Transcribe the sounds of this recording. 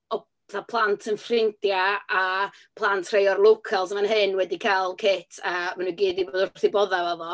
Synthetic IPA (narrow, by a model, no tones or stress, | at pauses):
ɔ | θapʰlˠantʰənfrɪntjaa | pʰlˠantʰr̥ejɔrlˠʊkʰalˠsəmanɦɨnwɛdikʰalˠkʰɪtʰaəmanuɡiːdiboːdərrθɪbɔðavaðɔ